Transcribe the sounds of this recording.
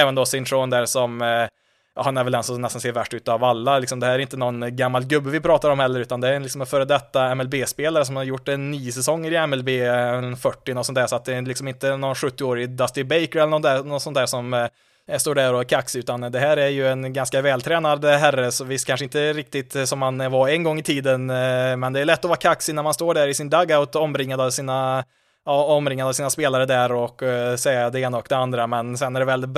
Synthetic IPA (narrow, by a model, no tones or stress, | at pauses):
ɛːvənd̪ɔsɪnt̪ʰɾoːnd̪æːɾʂɔm | jɑ̰ːhanæɾvɛlɛnsɔnɛst̪anseːɾvæʂʈːʉ̟ːt̪avalːalɪksɔmd̪ɛhæːɾæɾɪnt̪ːənɔnɡamːalɡɵbːəvɪpʰɾɑːt̪aɾɔmhɛlːəɾʉ̟ːt̪and̪ɛæɾɛnlɪksɔmfœːɾəd̪ɛt̪ːaɛmɛlbeːspeːlaɾəsɔmhaɾjʊʈːɛnːyːsɛsɔŋːəɾɪɛmɛlbeːɛnfœʈːɪnɔt̪sɔnt̪ʰæːɾʂɔat̪̚d̪ɛlɪksɔmɪnt̪ənɔnɧɵt̪ːɪoːɾɪd̪ast̪ɪbɛɪkəɾɛlənɔæːnɔt̪sɔnt̪ʰæːʂɔm | st̪oːɖæɾɔkʰaksɪʉ̟ːt̪and̪ɛɦæːɾæɾjɵɛnɡanskavɛːlt̪ʰɾɛːnad̪ɦærːəsɔvɪst̪kʰanʂəɪnt̪ːəɾɪk̚t̪ɪt̪sɔmhanvaɾɛnɡɔŋːɪt̪ʰiːd̪ənmɛnd̪ɛːɾɭɛt̪ːɔvɑːɾakʰaksɪnæɾmanst̪oːɖæɾɪsɪnd̪aɡaʊt̪ɔmɾɪŋːad̪avsiːna | ɔmɾɪŋːad̪avsiːnaspeːlaɾəd̪æɾɔkːsɛjad̪ɛeːnaɔkd̪ɛand̪ɾamɛnsɛnæɖɛvɛlɪ